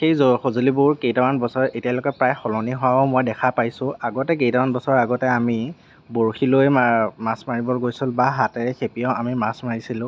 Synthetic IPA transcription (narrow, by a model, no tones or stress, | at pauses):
xejzɔxozolibʊɹkejtawanbɔsɔɹetijalokɔpɹajxɔlɔniɦʊwabɔmojdɛkʰapajsʊ̃aɡɔtɛk̬ejtamanbɔsɔɹaɡɔtɛami | boɹxilojmamasmaɹibɔɡojsilbaɦatɛɹɛxʰepijɔ̃ʔamimasmaɹisilʊ̃